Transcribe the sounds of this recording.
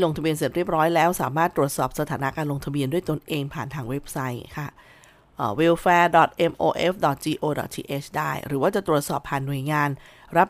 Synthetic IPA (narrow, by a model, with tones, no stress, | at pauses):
lo˧ŋt̪ʰa˧bi˧ənsi˨˩ət̪ɾi˥˩əp̚ɾɔː˦˥jlɛː˦˥wsaː˩˦maː˥˩t̪ːɾu˨˩ət̪̚sɔː˨˩p̚sa˧t̪ʰaː˩˦na˦˥kaː˧nlo˧ŋt̪ʰa˧bi˧əndu˥˩əjt̪o˧nʔeː˧ŋpʰaː˨˩nt̪ʰaː˧ŋwe˦˥p̚sa˦˥jkʰa˥˩ | ʔːwe˧wfɛː˧dɔ˨˩t̪̚ʔe˧mʔoː˧ʔe˦˥fdɔ˨˩t̪̚d͡ʑiː˧ʔoː˧dɔ̰˨˩t̪̚t͡ɕʰḭː˧ʔe˦˥t͡ɕʰdaː˥˩jɾɯː˩˦waː˥˩t͡ɕa˨˩t̪ɾu˨˩ət̪̚sɔː˨˩pʰːaː˨˩nːu˨˩əjŋaː˧n | ɾa˦˥p̚